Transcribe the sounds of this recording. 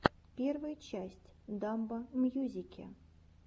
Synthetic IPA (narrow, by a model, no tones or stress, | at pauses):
pʲervɨjt͡ɕæsʲtʲd̪ɑmbəmʲjuzʲikʲʰḛ